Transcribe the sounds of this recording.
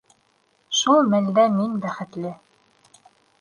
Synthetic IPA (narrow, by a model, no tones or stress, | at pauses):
ʃulˠmæld̪æminbæχɘ̆t̪lɘ